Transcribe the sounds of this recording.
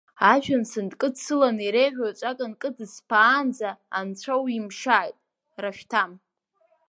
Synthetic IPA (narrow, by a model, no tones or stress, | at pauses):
aʒʷᶣansɨndkʼɨdsɨlaniɾejʕʷᶣat͡ʃʷʼakʼankʼɨdɨspʰaːnd͡zaːnt͡ɕʷʰawimʂaːjtʼ | raʃᶣtʰam